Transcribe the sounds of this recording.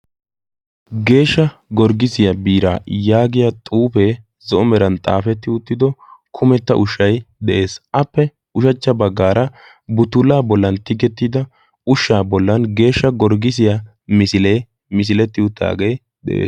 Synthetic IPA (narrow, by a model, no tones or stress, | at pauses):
ɡe̞ːʃːɐɡɔɾɡɪsɪjɐbiːɾa̰ːjaːɡɪjat̪ʼuːpeː | zɔʔɔmɛɾɐnt̪ʼa̰ːfɛt̪ːɪʊt̪ːɪd̪ɔkʰʊmɛt̪ːɐʔʊʃːɐjd̪ɛʔe̞ːsʔɐpːɛ | ʊʃɐt͡ʃːɐbɐɡːaːɾɐ | bʊt̪ʊlaːbɔlːɐnt̪ɪɡɛt̪ːid̪ɐ | ʊʃːaːbɔlːɐnɡe̞ːʃːɐɡɔɾɡɪsɪja | mɪsɪleː | mɪs̬ɪlɛt̪ːɪʊt̪ːa̰ːɡej | d̪ɛ̰ʔḛːs